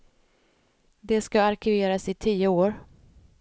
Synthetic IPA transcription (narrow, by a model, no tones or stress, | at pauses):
d̪ɛskaːɾkʰɪveːɾasɪt̪ʰiːəoːɾ